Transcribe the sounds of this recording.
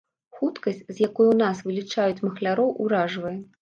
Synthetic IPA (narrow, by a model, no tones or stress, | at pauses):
xut̪kɐsʲt͡sʲzjakujunasvɨlʲit͡ʂajut͡sʲmɐxlʲaɾɔwʔuɾaʐvɐjɛ